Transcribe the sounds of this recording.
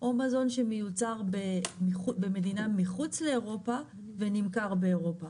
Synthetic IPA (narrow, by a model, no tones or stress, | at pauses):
ʔo̞mazo̞nʃe̞mejut͡saʁbemiχubeme̞dinamiχut͡sle̞ːʁo̞pa | ve̞nimkaʁbeːʁo̞pa